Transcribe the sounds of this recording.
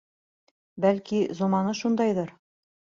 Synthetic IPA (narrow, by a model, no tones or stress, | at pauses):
bælkizomɑnɤʃund̪ɑjðɤɾ